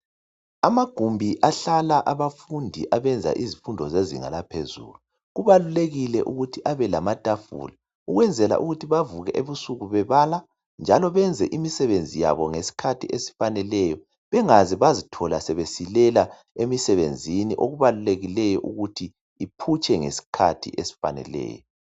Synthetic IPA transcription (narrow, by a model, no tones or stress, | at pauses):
amaɡ̥ʱumbʱiʔaɬalaʔaβafundʱiʔaβɛnd͡zʱa̰ʔizifundʱɔzezḭŋa̰lapʰezṵːlu | ɣuβaluleɣilɛʔuɣutʰiʔaβɛla̰matʼafṵla | uɣwɛnd͡zʱɛla̰ʔuɣutʰiβavuɣɛʔeβusuɣuβɛβala | nd͡ʒʱalɔβɛnd͡zʱɛʔimisɛβend͡zʱija̰βɔŋesi̥kʰatʰiesi̥fanɛlɛjɔ | βɛŋaziβazitʰɔlasɛβesilɛla | emisɛβend͡zʱiniʔoɣuβaluleɣilɛjɔʔuɣutʰiː | pʰut͡ʃʰʼɛŋḛsi̥kʰatʰḭʔesi̥fa̰nɛ̰lɛ̰ːjɔ